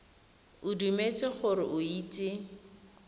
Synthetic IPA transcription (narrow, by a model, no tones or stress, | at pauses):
ʊdumet͡sʼɪχʊɾɪʔʊiːtʼɪ